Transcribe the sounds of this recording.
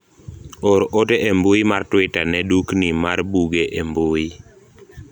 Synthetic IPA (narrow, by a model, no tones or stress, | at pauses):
oɾʔoteʔembuimartwɪtanɛduknimarbuɡeʔembui